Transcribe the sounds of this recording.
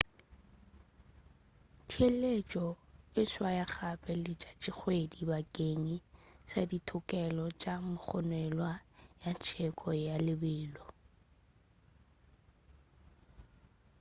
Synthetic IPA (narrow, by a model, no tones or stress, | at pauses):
tʰielet͡ʃʼɔɪswajak͡xʰapʼɛlɪt͡ʃʼat͡ʃʼɪk͡xʰwedibakʼeŋisaditʰʊkʼɛlɔt͡ʃʼamʊk͡xʰɔnwɛlwajat͡ʃʰɛkʼɔjalɪbɪːlɔ